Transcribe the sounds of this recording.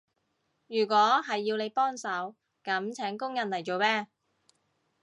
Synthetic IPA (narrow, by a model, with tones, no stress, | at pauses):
jyː˨˩k̬ʷwɔː˨˥ɦɐ˨jːiː˧wne˨˧jpɔː˥ŋsɐ˨˥w | kɐ˨˥mt͡sʰɛː˨˥ŋkʊ˥ŋjɐ˨nlɐ˨˩jt͡ʃo˨˧wmɛː˥